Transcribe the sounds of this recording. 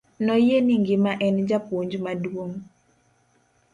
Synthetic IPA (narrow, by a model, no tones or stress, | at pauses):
nɔjeniŋɡɪmaʔɛnd͡ʒapoɲd͡ʒmadwoŋ